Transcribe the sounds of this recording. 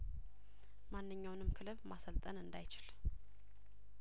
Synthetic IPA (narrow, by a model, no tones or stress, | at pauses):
manːɨɲːawnɨmːkʰɨlɨβmasəlt̪ʼənɨnd̪ajt͡ʃɪl